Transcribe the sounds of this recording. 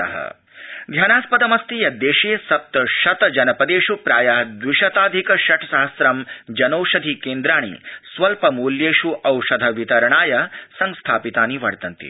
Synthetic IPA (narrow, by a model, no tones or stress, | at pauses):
ɐ̰ɦɐ̰ | d̪ʱjaːnaːspɐd̪ɐmɐst̪ijɐd̪eːʃeːsɐp̚t̪ɐʃɐt̪ɐd͡ʒɐnɐpɐd̪eːʃupɾaːjɐɦd̪ʋiʃɐt̪aːd̪ʱikɐʃɐʈ̪ʰɐsaɦɐsɾɐmd͡ʒɐnɐwʂɐd̪ʱikeːnd̪ɾaːɳ̃ḭsʋɐlpɐmuːljeːʃuʔɐwʂɐd̪ʱɐʋit̪ɐɾɐɳaːjɐsɐŋst̪ʰaːpit̪aːniʋɐɽt̪ɐnt̪ḭ